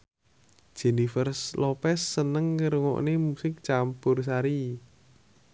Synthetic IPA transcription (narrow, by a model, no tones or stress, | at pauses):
d̥ʒ̥e̤nifərslopɛsːənəŋːəɾuŋɔ̰ʔnemusɪk̚t͡ʃampʊrs̬aɾi